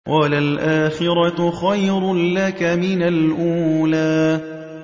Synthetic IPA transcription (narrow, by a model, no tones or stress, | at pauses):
wʔalalʔaːxɪɾˤɑxajɾlakamɪnalʔuːlaː